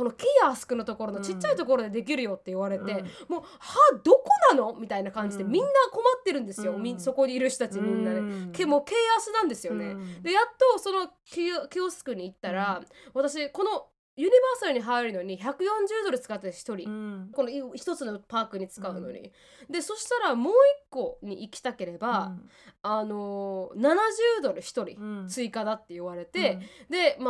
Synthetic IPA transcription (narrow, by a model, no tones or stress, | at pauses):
ko̞no̞kʲijasɨ̥kɯ̟no̞t̪o̞ko̞ɾo̞no̞t͡ɕit͡ɕt͡ɕːait̪o̞k̬o̞ɾo̞d̪e̞d̪e̞k̬ʲiɾɯ̟jo̞t̪ːe̞iβaɾe̞t̪e̞moː | had̪o̞ko̞nano̞mʲit̪ainakãɲ̟d͡ʑid̪e̞mʲĩnːako̞mat̪ːe̞ɾɯ̟̃nd̪e̞sɨjo̞mʲiso̞ko̞ɲiːɾɯ̟ɕt̪ot̪at͡ɕimʲĩnːanekemoːke̞ːasɨnãnd̪e̞sɨjo̞ne̞d̪e̞jat̪ːo̞so̞no̞ | kʲikʲiosɨ̥kɯ̟ɲ̟iːt̪ːaɾaβat̪aɕ̬iko̞no̞ | jɯ̟ɲ̟ibaːsaɾɯ̟ɲ̟iɦaiɾɯ̟no̞ɲ̟içakɯ̟jõ̞ɲ̟d͡ʑɨːd̪o̞ɾɯ̟t͡sɨ̥kat̪ːet̪çi̥t̪o̞ɾʲiko̞noiçi̥t̪o̞t͡sɨno̞paːkɯ̟ɲ̟it͡sɨ̥kaɯ̟no̞̰ɲ̟ḭ | d̪e̞so̞ɕi̥t̪aɾamo̞ːikːo̞ɲ̟iʔikʲi̥t̪ake̞ɾe̞baː | no̞nanaʑɨːd̪o̞ɾɯ̟çi̥t̪o̞ɾʲḭt͡sɨikad̪at̪ːe̞joβaɾe̞t̪e̞d̪e̞m